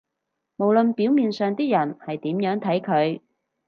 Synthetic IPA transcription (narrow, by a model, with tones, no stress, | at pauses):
mo˨˩wlɵ˨npiː˨˥wmiː˨nsœː˨ŋt̪iː˥jɐ˨˩nhɐ˨jt̪iː˨˥mjœː˨˥ŋt̪ʰɐ˨˥jkʰɵ˨˧ɥ